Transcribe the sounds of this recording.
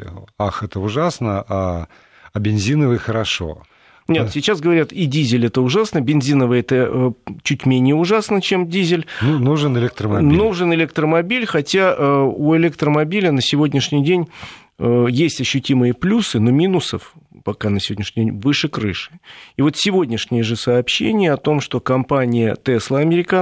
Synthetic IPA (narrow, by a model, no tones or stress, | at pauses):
axɛt̪əʊʐasnəa | ɐbʲɪnzʲinəvɨxəɾɐʂo̰ | nʲet̪sʲɪt͡ɕasɡəvɐɾʲat̪idʲizʲɪlʲɛt̪əʊʐasnəbʲɪnzʲinəvɨɛt̪ət͡ɕutʲmʲenʲɪjəʊʐasnət͡ɕe̞mdʲizʲɪlʲnunuʐɨnɪlʲek̚t̪ɾəmɐnuʐɨnɪlʲekt̪ɾəmɐbʲilʲxɐtʲaʔuɪlʲek̚t̪ɾəmɐbʲilʲənəsʲɪvo̞dʲnʲɪʂnʲɪjdʲenʲ | əjesʲtʲɐɕːʊtʲimɨjəplʲusɨno̞mʲinʊsəfpɐkanəsʲɪvodʲnʲɪʂnʲɪdʲenʲvɨʂɨkɾɨ̰ʂɨ̥ivo̞t̪sʲɪvo̞dʲnʲɪʂnʲɪjəʐɨsɐːpɕːḛnʲɪjəɐt̪o̞mʂt̪o̞kɐmpanʲɪjə̰t̪ɛslˠəɐmʲɪɾʲɪka